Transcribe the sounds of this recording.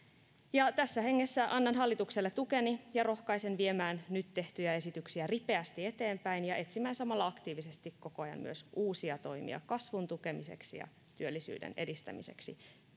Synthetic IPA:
jɑt̪æsːæhe̞ŋːe̞sːæʔɑnːɑnɦɑlːit̪ukselːet̪uke̞nijɑro̞hkɑise̞nʋie̞mæːnnyt̪te̞ht̪yjæe̞sit̪yksiæripe̞æst̪ie̞t̪e̞ːmpæinjɑʔe̞t̪simːæinsɑmɑlːɑɑkt̪iːʋise̞st̪ikko̞koɑjɑ̰mmy̰øsuːsiɑt̪o̞jmḭɑ̰kɑsʋunt̪uke̞mise̞̰ksḭjɑ̰ | t̪yølːisy̰ːdḛne̞̰dist̪æ̰mḭse̞̰ksḭ

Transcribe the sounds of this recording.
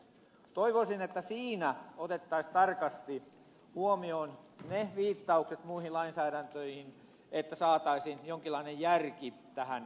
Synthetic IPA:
t̪oiʋosinet̪ːæsiːnæot̪et̪ːɑist̪ɑrkɑst̪i | huomioːnneʋiːt̪ːɑukset̪muihillɑinsæːɾænt̪øihin | et̪ːæsɑːt̪ɑisinjoŋkilːɑinejjærkit̪æhæn

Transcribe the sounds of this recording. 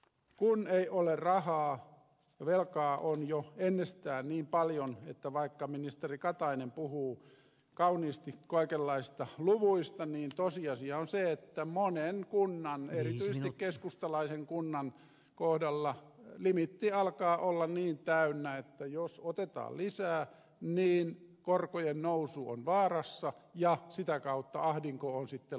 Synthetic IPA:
kuneiʔolerrɑhɑː | jɑʋelkɑːʔonjoenːest̪æːniːmpɑljonet̪ːæʋɑikːɑminist̪erikɑt̪ɑinempuhuː | kɑuniːst̪ikoikelːɑisst̪ɑluʋuist̪ɑniːnt̪osiɑsiɑonseet̪ːæmonenkunːɑnerit̪yiset̪ikkeskust̪ɑlɑiseŋkunːɑn | kohdɑlːɑlimit̪ːiɑlkɑːʔolːɑniːnt̪æynːæet̪ːæjosot̪et̪ɑ̰ːllisæː | niːnkorkojennousuo̰nʋɑːrɑsːɑjɑsit̪ækɑut̪ːɑ̰ɑhdiŋkoonsit̪ːe

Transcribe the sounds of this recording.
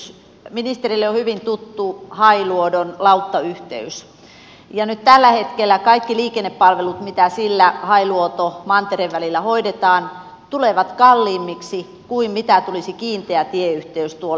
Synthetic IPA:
s | minist̪erilːeohyʋint̪ut̪ːuhɑiluodonlɑut̪ːɑyht̪ḛys | jɑnyt̪t̪ælːæhet̪kelːˑækɑikːiliːkenːeppɑlʋelut̪mit̪æsilːæhɑiluot̪omɑnt̪ereʋʋælilːæhoidet̪ɑːn | t̪uleʋɑt̪kɑlːiːmːiksi | kuimmit̪æt̪ulisikiːnt̪eæt̪ieyht̪eyst̪uo

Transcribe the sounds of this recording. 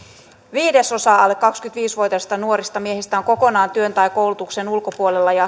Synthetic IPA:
ʋiːdeso̞sɑːɑlːekkɑkskyt̪ʋiːsʋojt̪ɑst̪ɑnuo̞ɾist̪ɑmie̞hist̪æoŋko̞ko̞nɑːnt̪yø̞nt̪ɑjkowlut̪uksenulkopuole̞lːɑjɑ

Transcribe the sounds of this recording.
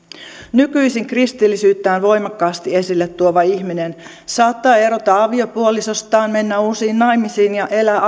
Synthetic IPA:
nykyisiŋkrist̪ilːisyːt̪ːæːnʋo̞jmɑkːɑːst̪ie̞silːet̪ːuoʋɑiçminen | sɑːt̪ːɑːe̞ɾot̪ɑɑʋiopuoliso̞st̪ɑːnme̞nːæusiːnːɑjmisiːnjɑʔelæː

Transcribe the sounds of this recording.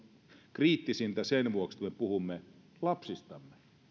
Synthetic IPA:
kriːt̪ːisint̪æsenʋuoksmepuhumːe | lɑpsist̪ɑmːe

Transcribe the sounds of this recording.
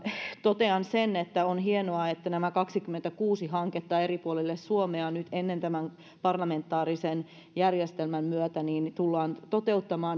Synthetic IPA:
t̪ot̪eɑnsenet̪ːæonɦienoɑet̪ːænæmækɑksikymːent̪ækuːsiɦɑŋket̪ːɑːeɾipuolelːessuomeɑnyt̪enːent̪æmæn | pɑrlɑment̪ːɑːɾisen | jærjest̪elmæmmyøt̪æniːnt̪ulːɑːnt̪ot̪eut̪ːɑmɑːn

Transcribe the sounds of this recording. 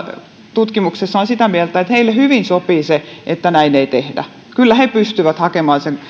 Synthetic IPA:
t̪ut̪kimuksesːɑonsit̪æmielt̪æet̪heilːehyʋinsopiːseʔet̪ːænæineit̪ehdæ̰ | kylːæhepyst̪yʋæt̪hɑkemɑːnseŋ

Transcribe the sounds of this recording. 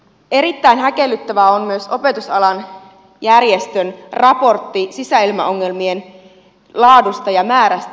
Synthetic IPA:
e̞ɾit̪ːæinɦæke̞lːyt̪ːæʋæonmyøso̞pe̞t̪usɑlɑn | jærjest̪ønrɑpo̞rt̪ːisisæilmæ̰o̞ŋːe̞lmien | lɑːdust̪ɑjɑmæːɾæst̪æ

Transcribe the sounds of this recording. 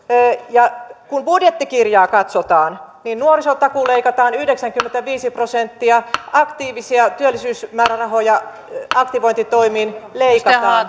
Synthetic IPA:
jɑkunbudjet̪ːikirjɑːkɑt̪sot̪ɑːn | niːnnuorisot̪ɑkuleikɑt̪ɑːnyhdeksæŋkymːent̪æʋiːsiprosent̪ːiɑɑkt̪iːʋisiɑt̪yølːisyːsmæːɾærɑɦojɑ | ɑkt̪iʋoint̪it̪oimiːnleikkɑt̪ɑːn

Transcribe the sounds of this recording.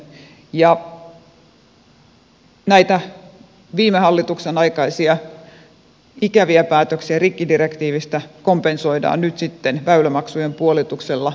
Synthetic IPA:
jɑ | næit̪æ | ʋiːmehɑlːit̪uksenɑikɑisiɑ | ikæʋiæpæːt̪øksiærikːidirekt̪iːʋist̪ækompensoidɑ̰ːnnyt̪sit̪ːenʋæylæmɑksujempuolit̪ukselːɑ

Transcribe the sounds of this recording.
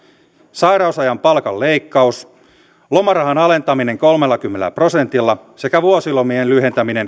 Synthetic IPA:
sɑjɾɑusɑjɑmpɑlkɑlːejkːɑus | lo̞mɑrɑɦɑnɑle̞nt̪ɑmine̞ŋkolme̞lːɑkymːelḛlæ̰pro̞se̞nt̪ilːɑse̞kæʋuosilomienlyhe̞nt̪æmine̞n

